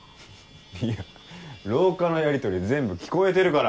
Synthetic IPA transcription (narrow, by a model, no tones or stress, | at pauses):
ia | ɾo̞ːkano̞jaɾʲit̪o̞ɾʲid͡zẽ̞mbɯ̟kʲi̥ko̞e̞t̪e̞ɾɯ̟kaɾa